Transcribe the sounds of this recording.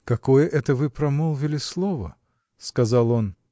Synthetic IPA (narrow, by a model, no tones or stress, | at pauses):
kɐkojəʔɛt̪əvɨpɾɐmolˠvʲɪlʲɪslˠovə̰ | skɐzɑlˠo̞n